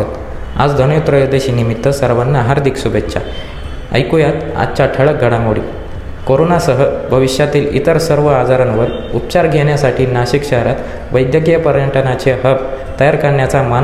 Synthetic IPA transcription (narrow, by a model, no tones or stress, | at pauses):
ət̪ | a̰d͡zd̪ʱənjut̪ɾəjəd̪eɕiːnimit̪ːəsəɾʋənːaɦaɾd̪ʱiksubʱetːɕa̰ | ə̰jkujat̪a̰t͡ɕaʈʰəɭək̚ɡʱəɽamoɽḭː | koɾonasəɦəbʱəʋiɕjat̪iːlḭt̪əɾsəɾʋəad͡zaɾanʋəɾ | up̚t͡ɕaɾɡʱeɳ̃jasaʈʰiːnaɕikɕəɦəɾat̪ | ʋəjd̪jəɡijəpəɾjəɳʈʰənat͡ɕeɦəb | t̪əjaɾkəɾɳjat͡saman